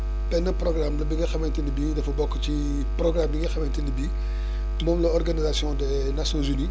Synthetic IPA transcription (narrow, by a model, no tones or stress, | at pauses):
pɛnɐprɔɡramlɐbiŋɡɐxɐmɛntinibiːdɐfɐbɔkːt͡ʃi | prɔɡrambiŋɡɐxɐmɛntinibiː | tumɔmlɐɔrɡanizasjɔ̃dɛ | nasjɔnzyni